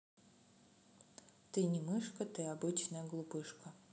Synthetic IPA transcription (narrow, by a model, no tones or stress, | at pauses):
t̪ɨnʲɪmɨʂkət̪ɨabɨt͡ɕnəjəɡlˠupɨʂkə